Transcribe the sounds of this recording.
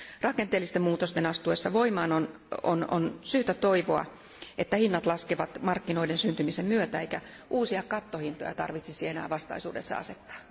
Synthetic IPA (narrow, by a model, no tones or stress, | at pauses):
rɑkent̪eːlːist̪emmuːt̪ost̪enɑst̪uesːɑʋoimɑːnon | o̰no̰nsyːt̪æt̪oiʋoɑ̰ | et̪ːæhinːɑt̪lɑskeʋɑt̪mɑrkːinoidensynt̪ymisemmyøt̪æeikæ | ʔuːsiɑkɑt̪ːohint̪o̰jɑ̰t̪ɑ̰rʋit̪sisienæ̰ːʋɑst̪ɑ̰isṵːdesːɑ̰ɑ̰set̪ːɑ̥ː